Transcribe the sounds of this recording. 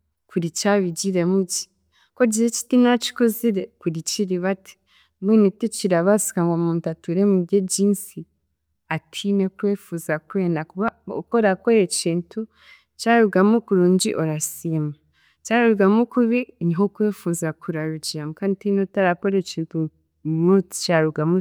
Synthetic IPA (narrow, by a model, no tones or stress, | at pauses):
kuɾit͡ʃaβiɟiɾe̞muɟi̥ | koɟiet͡ʃi̥tinat͡ʃi̥koziɾekuɾit͡ʃiɾiβatʰi̥ | wenitut͡ʃiɾaβasi̥kaŋɡomuːntatuɾemubɟeɟiːnsi | atʰinekweːfuzakwe̞ːndakuβao̰koɾako̞ɾet͡ʃiːntʰu | t͡ʃaɾuɡamukuɾuːɲɟḭʔoɾasiema | t͡ʃaɾuɡamukuβiɲiɦokweːfuzakuɾaɾuɟiɾamukanitinotaɾakoɾet͡ʃiːntu | mu̥t͡ʃaɾuɡamu